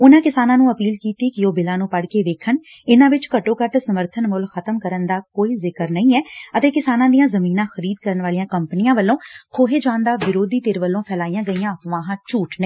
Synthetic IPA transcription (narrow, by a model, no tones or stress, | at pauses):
ʊnãːkɪsaːnãːnũːəpiːlkiːt̪iːkɪoːbɪlãːnũːpəɽkeːʋeːkʰənɪnãːʋɪt͡ʃkəʈõːkəʈsəməɾt̪ʰənmʊlxʰət̪əmkəɾənd̪aːkoːiːzɪkəɾnəĩːɛːət̪eːkɪsaːnãːd̪ijãːzəmiːnãːxəɾiːd̪̚kəɾənʋaːlijãːkəmpənɪjãːʋəlːõːkʰoːɦeːd͡ʒãːnd̪aːʋɪɾoːd̪iːt̪eːɾʋəlːõːpʰɛːlaːijãːɡəijãːəpʋãːɦãːt͡ʃuːʈnəiː